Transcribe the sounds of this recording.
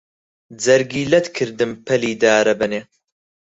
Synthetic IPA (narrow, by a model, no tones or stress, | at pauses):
d͡zɐɾɡiːlɐt̪kʰɨɾd̪ɨmpʰɐliːd̪aːɾɐbɐneː